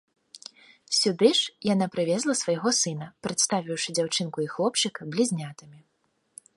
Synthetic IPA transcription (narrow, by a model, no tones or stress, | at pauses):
sʲud̪ɨʂjanapɾɨvʲɛzlˠɐsvɐjɣɔsɨnɐpɾɐt̪st̪avʲiwʂɨd͡zʲawt͡ʂɨnkuixlˠɔpt͡ʂɨkɐblʲizʲnʲat̪ɨmʲi